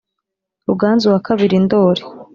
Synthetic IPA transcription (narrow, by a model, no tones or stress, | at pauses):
uɡaːnzuwakʰaβiɾindoːɾe̥